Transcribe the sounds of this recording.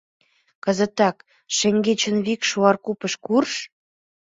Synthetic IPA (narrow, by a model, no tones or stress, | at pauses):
kə̆zə̆t̪ɑk | ʃĕŋɡet͡ɕə̆nβikʃuɑrkupəʃkurʃ